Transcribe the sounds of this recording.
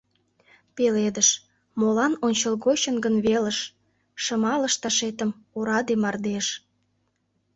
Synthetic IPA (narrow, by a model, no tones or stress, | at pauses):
peled̪əʃ | molɑnonʲt͡ɕəlɣoɕənɡənβeləʃː | ə̆mɑləʃt̪ɑʃet̪əm | oɾɑd̪emɑrd̪eʃ